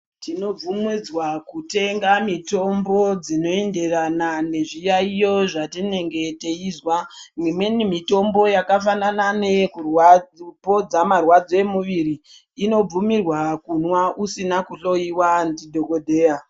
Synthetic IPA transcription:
tino̞b͡vumid͡zwakute̞ŋɡamito̞mbo̞d͡zino̞e̞nde̞ranane̞ʐijaijo̞ʐatine̞ŋɡe̞teizwamimwe̞nimito̞mbo̞jakafanananekuwpo̞d͡zamarwad͡zo̞e̞muʋiɾiː | no̞b͡vumirwakunwaʔusinakuɬo̞iwandidʱo̞kodʱeːa

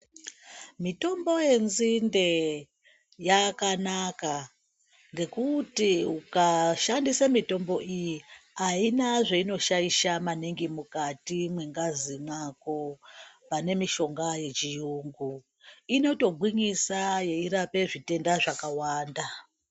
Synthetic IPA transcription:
mito̞mbo̞je̞nzinde̞ | jakanaka | ŋɡe̞kutiukaʃandisamito̞mbo̞ʔijiainaʐeino̞ʃaiʃamaneŋɡimukatimwe̞ŋɡazimwako̞pane̞miʃo̞ŋɡaje̞t͡ʃijuːŋɡu | ino̞to̞ɡʱwiɲisaje̞iɾape̞ʐite̞ndaʐakawaːnda

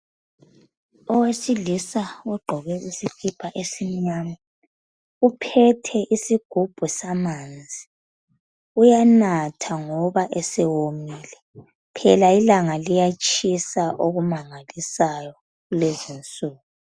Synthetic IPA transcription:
ɔwesilisauɡ͡ǃʱɔɣɛusikʰipʰaʔesiɲama | upʰɛtʰɛʔisiɡ̥ʱub̥ʱusamaːnd͡zʱi | ujanatʰaŋɔβaʔɛsɛwomiːlɛ | pʰɛ̰lailaŋalijat͡ʃʼisaʔoɣumaŋalisajɔ | ɣulezint͡sʼuːɣu

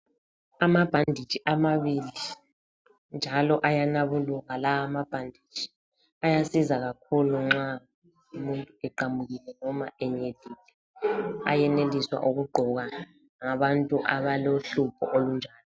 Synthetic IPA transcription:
amab̥ʱandʱid̥ʒ̥ʱiʔamaβili | nd͡ʒʱalɔʔajanaβuluɣalaamab̥ʱandʱi̥ʒ̥ʱʼi̥ | ajasizaɣakʰuluŋ͡ǁa | umuntʼuɛǃamuɣilɛnɔma̰ɛɲeliːlɛ | a̰jɛneliswa̰ʔuɣuɡ͡ǃʱɔɣa | ŋaβantʼuʔaβaloɬupʰɔ̰ʔolund͡ʒʱaːlɔ

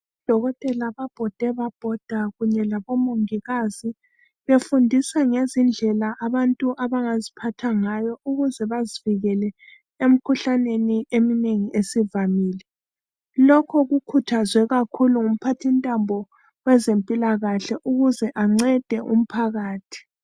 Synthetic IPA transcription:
βid̥ʱɔɣɔtʼɛlaβab̥ʱɔd̥ʱɛβab̥ʱɔd̥ʱaɣuɲɛlaβɔmoŋiɣazi | βefundʱisaŋezind͡ɮʱɛlaʔːβantʼuʔaβaŋazipʰatʰaŋajɔʔuɣuzɛβaziviɣɛlɛ | em̩kʰuɬaneniemineŋiʔesivamiːlɛ | lɔkʰɔɣukʰutʰazwɛɣakʰuluŋum̩pʰatʰintʼambʱɔ | wɛzempʼilaɣaɬɛʔuɣuzɛʔaŋ͡ǀɛd̥ʱɛʔṵm̩pʰaɣaːtʰi̥

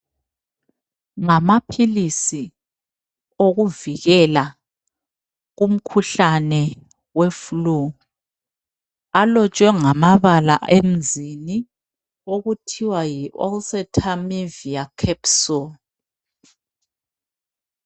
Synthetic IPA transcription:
ŋamapʰilisi | oɣuviɣɛla | ɣum̩kʰuɬanɛ | weflu | alɔt͡ʃʼwɛŋamaβala̰em̩zini | oɣutʰiwajiʔɔ̰lsɛtʰameviakʰɛpsɔ

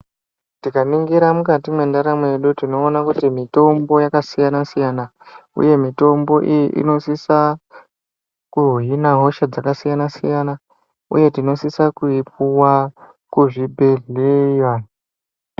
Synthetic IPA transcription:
tikaniŋɡiɾamukatimwe̞ndaɾameɗutino̞ːnakutimito̞mbo̞jakasijanasijanaṵje̞mito̞mbo̞ʔijiʔḭno̞sisa | kuɦɦinaɦo̞ʃad͡zakasijanasḭjana | ṵje̞tino̞sisakuip̚uwa | kuʐibʱeɮejwa

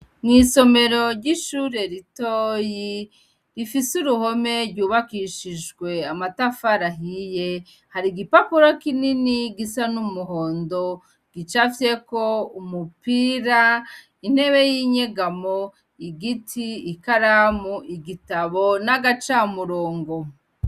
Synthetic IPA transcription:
ŋŋiːso̞me̞ɾo̞ɾɟiʃuːɾe̞ɾitoːji | ɾifisuɾuho̞me̞ɾɟuːβakiʃid͡ʒɡwe̞amatafaɾaɦije̞ | haɾiɡipapuɾokininiɡisanumuhoːndo̞ | ɡ̥it͡ʃafɾe̞ko̞umupiɾa | in̥e̞βe̞jiɲe̞ɡamo | iɡitʰiːkaɾamuʔiɡitaβo̞naɡat͡ʃamuɾoːŋɡo̞

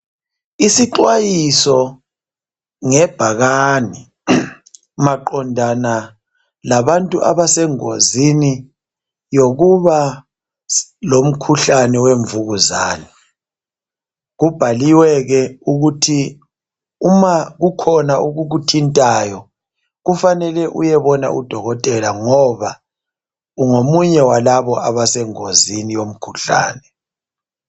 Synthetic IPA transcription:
isiǃwajisɔ | ŋɛb̥ʱaɣani | maǃɔndʱana | laβantʼuʔa̰βasɛŋo̰zini | joɣuβa | lom̩kʰuɬanɛweɱvuɣuza̰ːni | ɣub̥ʱaliwɛɣɛuɣutʰi | umaɣukʰɔnauɣuɣutʰintʼajɔ | ɣufanɛlɛʔṵjɛβɔna̰ʔṵd̥ʱɔɣɔtʼɛlaŋɔβa | uŋomuɲɛwalaβɔʔaβasɛŋozinijom̩kʰuɬa̰ːnɛ

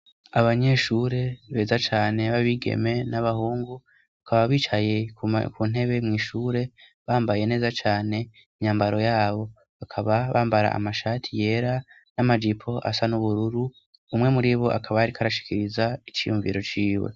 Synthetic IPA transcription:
aβaɲe̞ːʃuɾe̞βe̞ːzat͡ʃaːne̞βaβiɡḛme̞naβahuːŋɡu | akaβaβiːt͡ʃaje̞kʰuːn̥e̞βe̞mŋiːʃuːɾe̞ | βaːmbaje̞ne̞ːzat͡ʃaːne̞ | iɲaːmbaɾo̞jaːβo̞ | βakʰaβaβaːmbaɾa̰a̰maʃaːtʰije̞ɾa | namad͡ʒipʰo̞ʔa̰sanuβuɾuɾu | umŋe̞muɾiːβo̞ʔa̰kʰaβajaɾikʰaɾaʃi̥kiɾizait͡ʃijuɱvḭɾo̞t͡ʃiːwḛ

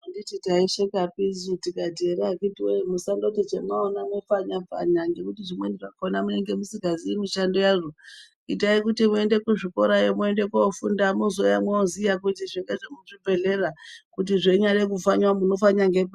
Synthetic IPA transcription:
andititaiʃekapizutikadʱeɾakitiwemusandotit͡ʃemwaonamefaɲab͡va̰ɲaŋɡe̞kutiʐimweniʐakonamune̞ŋɡe̞musiɡaziimiʃandojaʐo | itaikutimue̞nde̞kuʐiko̞ɾajemue̞nde̞kofṵndamuzojamweozijakutiʐiŋɡeʐemuʐibʱe̞ɮerakutiʐeɲarek̬ufaɲwamuno̞faɲaŋɡea

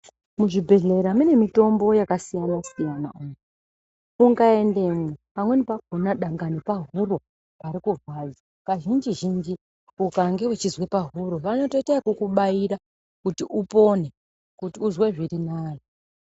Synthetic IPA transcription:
muʐibʱe̞ɮe̞ɾamine̞mito̞mbo̞jakasijanasijanaumu | uŋɡae̞nde̞mwepamwe̞nipaɡʱonaɗaŋɡanepaɦuro̞ | paɾikurwad͡za | kaʒind͡ʒiʒind͡ʒi | ukaŋɡe̞wet͡ʃizwe̞paɦuɾo̞ʋano̞to̞iteakukuɓaiɾa | kutiʔupo̞ne̞ | kutiuzwe̞ʐiɾinaːjo

